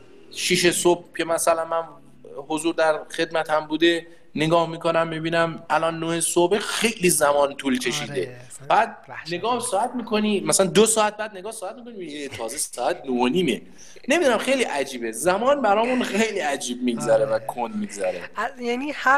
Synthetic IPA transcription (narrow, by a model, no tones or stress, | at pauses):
ʃiʃesob̚cʰe̞mæsælænmæn | hozuːɾd̪æɾxe̞d̪mæt̪ʰæmbuːd̪e | neɡɒːhmiːkonæmːibiːnæmʔælɒːnːohesobexe̞jlizæmɒːnt̪ʰuːlcʰe̞ʃiːd̪e̞ | bæːd̪̚ne̞ɡɒːhsɒːæt̪miːkʰoniːmæsælænd̪osɒːæt̪̚bæːd̪̚neɡɒːhsɔːæt̪̚mikʰo̞nimieet̪ʰɒːzessɒːæt̪̚nohoniːme | ne̞mid̪unæmxejliʔæd͡ʒiːbezæmɒːnbæɾɒːmũnxejliæd͡ʒiːb̚miɡzæɾevækʰond̪̚miɡzæɾejænihæ